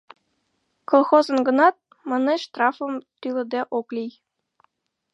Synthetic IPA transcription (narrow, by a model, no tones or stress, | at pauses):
kolˠxozɤ̆nɡɤ̆nɑt̪̚ | mɤnɤ̆ʃt̪rɑfɤ̆mt̪ylʲɘ̆d̪eʔoklʲij